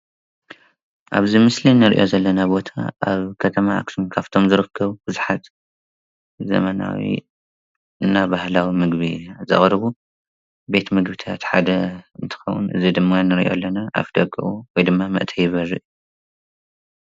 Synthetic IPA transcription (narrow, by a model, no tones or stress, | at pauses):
ʔa̰βzimɨslinːɨɾiʔo̞zɐlːɐnabo̞t̪ʰa̰ʔaβkʰɐt̪ʰɐmaa̰ksinkʰaft̪ʰo̞mzɨɾɨkʰːɐβubɨzuħat̪ | zɐ̰mɐna̰wḭ | ɨnːabahlawimɨɡβizɐ̰χʼɾɨβu | be̞t̪mɨɡbit̪ʰa̰t̪ħad̪ɐɨnt̪ʰɨ̥xɐwṵnʔɨ̰zid̪ɨmːanɨɾiʔo̞̰lːɐnaʔa̰fd̪ɐɡɨʔuwɔjd̪ɨmːamɐ̰ʔt̪ʰɐjɪβɐɾɨʔju